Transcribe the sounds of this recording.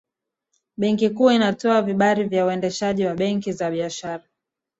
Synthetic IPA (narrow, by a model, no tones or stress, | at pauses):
ɓɛŋkikuːinatɔaviɓaɾivjauɛndɛʃaʄiwaɓɛŋkizaɓiaʃaɾa